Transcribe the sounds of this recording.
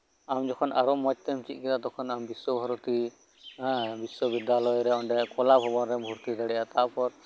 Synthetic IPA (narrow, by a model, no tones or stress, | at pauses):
amd͡ʒɔkʰɔnʔaɾɔmɔt͡ʃ̚t̪ɛmt͡ʃit̪̚ˀkɛd̪ad̪ɔkʰɔnambiswɔbʱɔɾɔt̪ĩ | biswɔbid̪alɔjɾɛɔɳɖɛkɔlabɦɔbɔnɾɛbʱuɾt̪id̪aɽɛjat̪aʔpɔɾ